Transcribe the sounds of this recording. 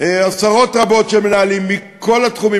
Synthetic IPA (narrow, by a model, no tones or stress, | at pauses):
easaʁo̞tʁabo̞tʃemenaːlimːiko̞latχumi